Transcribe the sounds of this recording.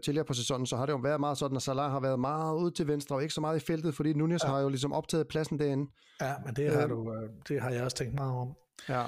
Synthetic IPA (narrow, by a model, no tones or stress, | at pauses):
t͡sʰe̝liɐpʰɒ̽s̬esɒ̽n̰n̩sɒ̽hɑ̈ɾ̥e̝joʋæɐðˠmɑ̈ːð̞̩ˠsɒ̽d̥n̩æsælɑ̰̈ɦɑ̈ʋæɐð̞ˠmɑ̈ːðð̩ˠuːð̰ˠt͡sʰe̝lʋensd̥ʁɐɒe̝ɡ̥ə̥sɒ̽mɑ̈ːð̩ˠifel̰d̥ð̞̩ˠfɒ̽d̥ḭːnunioshɑ̈jo̝lis̬ɒ̽mʔɒ̽b̥̚t͡sʰɛ̰ːð̩ˠpʰlæsn̩d̥æɐen̩ | jæmend̥e̝hɑdud̥e̝ɦɑ̈jɑ̈ɪɒst͡sʰeŋɡd̥mɑ̈ːð̩ˠɒ̽m | jæ